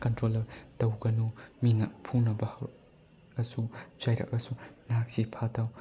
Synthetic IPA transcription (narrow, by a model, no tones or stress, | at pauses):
kɐntɾolɐtɐwɡɐnumiŋɐpʰunɐbɐhɐw | ɐsud͡ʒɐjɾɐ̰kɐsunɦak̚sipʰatɐw